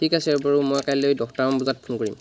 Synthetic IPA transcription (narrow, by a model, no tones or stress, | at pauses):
tʰikasɛɹbaɹumɔjkajlojdɔktaɹɔmbuzat̚pʰunkoɹḭm